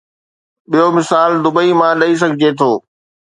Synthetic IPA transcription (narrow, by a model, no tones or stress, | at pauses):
ɓijomɪsaːld̪ʊbəimãlɐis̬ɐɡʱɪd͡ʑet̪ʰoː